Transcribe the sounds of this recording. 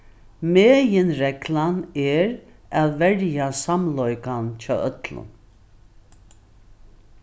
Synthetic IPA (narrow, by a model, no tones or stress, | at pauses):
meːjɪnɾɛklanɛɾ | ɛðvɛɾjasamlɔjkant͡ʃʰɑ̰ːʔœt̪lʊ̰n